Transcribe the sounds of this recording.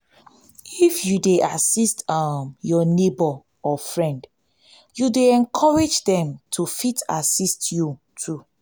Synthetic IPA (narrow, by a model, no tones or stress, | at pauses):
ifjudeʔasistʌmjɔnebɔ | ɔfɹɛ̃nd | judeɛ̃nkʰɔɹed͡ʒdɛ̃mtʰufita̰sistju | tʰu